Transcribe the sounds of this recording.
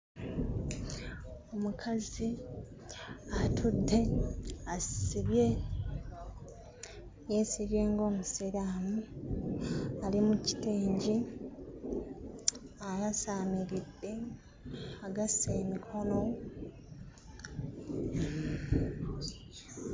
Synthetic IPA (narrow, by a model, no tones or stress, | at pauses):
o̞mukʰazi | atʰudːe̞asiβje̞ | jesiβje̞ːŋɡo̞ːmusiɾaːmu | alimuci̥teːɲɟi | aɣasaːmiɾidːe̞ | aɡaseːmikʰo̞no̞